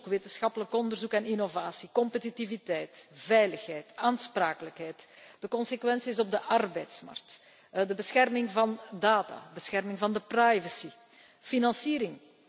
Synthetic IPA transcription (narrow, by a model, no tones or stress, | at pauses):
kʋeːtənsxɑpələkɔnd̪ərzukɛninovaːsikɔmpətitivitɛjtvɛjləxɦɛjtaːnspraːkələkɦɛjtd̥əkɔnsekʋɛnsisɔb̚dəʔɑrbɛːjtsma̰rk̚t | dəbəsxɛrmɪŋvɑndaːta̰ːbəsxɛrmɪŋvɑndəprajvəsi | finɑnsiːɾɪŋ